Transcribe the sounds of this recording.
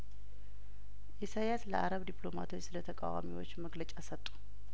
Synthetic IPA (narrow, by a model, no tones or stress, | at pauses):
ʔesajaslə̰ʔaɾəβd̪iplo̞ma̰t̪ʰwo̞t͡ʃːsɨlət̪ʰəkʼa̰wa̰miwot͡ʃːməɡlət͡ʃʼasət̪ʼːu̥